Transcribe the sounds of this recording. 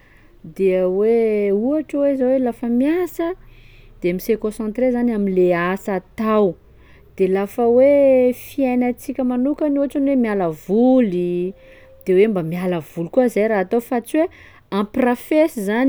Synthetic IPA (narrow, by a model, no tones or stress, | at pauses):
d̪eweuaʈ͡ʂəwezawelafəmiasəd̪̥emisekõsɑ̃t̪ɾezanaminleasat̪aw | d̪̥elafəwefiajnat͡sikʲəmanukanuaʈ͡ʂanwemialəvuli | d̪̥ewembamialəv̥ulukuəizajɾaɦat̪ofat͡siwe | ãprafesizan